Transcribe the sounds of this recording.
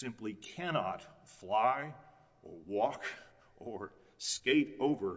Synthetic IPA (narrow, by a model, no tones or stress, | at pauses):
sɪ̃mplikʰænɑtflaɪ | ʔə˞wɔk | ʔə˞ | skeɪɾoʊvə˞